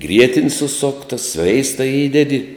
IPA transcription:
ˈɡrʲiɛtʲɪnʲ sʊˈsoːktɐ ˈsʲʋʲɛɪstɐ ˈiːdʲɛdʲɪ

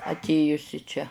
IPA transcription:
ɐtʲˈeːjʊs ɪ ˈt͡ʃʲɛ

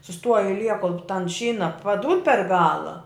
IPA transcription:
sʊˈstuɔj ɐɪˈlʲiɛ koːlˠ tɐn ˈʃʲiːnɐ pɐˈduːt pʲɛr ˈɡɑːlˠɐ

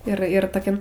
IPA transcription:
ɪr ɪr toːˈkʲɛm

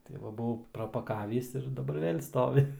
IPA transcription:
tɐɪ ˈʋɐ buːˈʋɐʊ prɐpɐˈkɑːʋʲiːs ɪr dɐˈbɐr ˈʋʲeːlʲ ˈstoːʋʲɪ

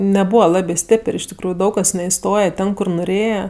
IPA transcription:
nʲɛˈbuːʋɐ ˈlˠɑːbʲeː ˈsʲtʲeːpərʲ ɪʃ tʲɪkˈruːjʊ ˈdɐʊk kɐs nʲɛɪˈstoːjɛ ˈtʲɛn kʊr nʊˈrʲeːjɛ

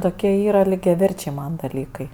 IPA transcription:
ˈtoːkʲiɛ ˈiːrɐ lʲiːɡʲɛˈʋʲɛrʲt͡ʃʲɛɪ ˈmɐn dɐˈlʲiːkɐɪ

